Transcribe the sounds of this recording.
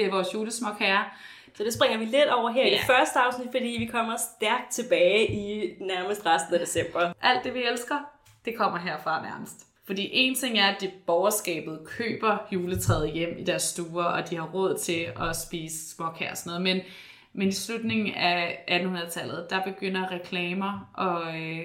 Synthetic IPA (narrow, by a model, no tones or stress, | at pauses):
d̥e̝æɐʋɒːsjuːləsmɒ̽ɡ̥hæɐ | sɒ̽d̥e̝sb̥ʁeŋ̰ɐʋiled̥ɒʊ̰ɐɦeɐ̰id̥e̥fɶɐsd̥əɑ̈ʊsnid̥fɒ̽d̥ḭːʋikʰɒ̽m̰ɐsd̥æɐɡ̥̚d̥̚t͡sʰe̝b̥ɛːɪʔinæɐməsd̥ʁasd̥n̩æd̥e̝sem̰b̥ɐʔæl̰d̥e̝ʋielsɡ̥ɐ | d̥e̝kʰɒ̽m̰ɐɦeɐ̰fʁɑ̈næɐməsd̥ | fɒ̽d̥ḭːʔe̝̰nt͡sʰe̝ŋ̰æɐæd̥e̝b̥ɒʊɐsɡ̥ɛ̰ːb̥ð̞̩ˠkʰø̰ːb̥ɐjuːlət͡sʰʁɛːð̞ˠjem̰id̥æɐsːd̥uːɐʔɒ̽d̥ihɑ̈ʁɔ̽ð̞̰ˠt͡sʰe̝ɒ̽sb̥iːsə̥smɒ̽ɡ̥hæɐ̰ɒsɒnɔ̽ːð̩ˠmen | menislud̥ne̝ŋn̩æʔæd̥n̩hunɐðˠt͡sʰæl̰ð̞̩ˠd̥ɑ̈b̥e̝ɡ̥øn̰ɐʁɛkʰlɛːmɐʔɒ̽